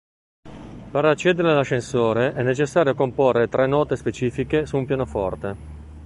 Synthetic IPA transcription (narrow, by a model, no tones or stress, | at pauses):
peɾat͡ʃːɛd̪eɾealaʃːensoːɾeʔɛnːet͡ʃesːaːɾjokomporːet̪ɾɛnːɔːt̪espet͡ʃiːfikesuːmpjaːnofɔ̰rt̪e